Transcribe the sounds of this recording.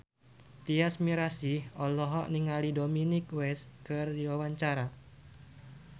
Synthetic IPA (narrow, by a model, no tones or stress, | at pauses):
t̪iasmiɾasihɔlɔɦɔʔniŋalidominikwɛskɨrdiwawaɲt͡ʃaɾa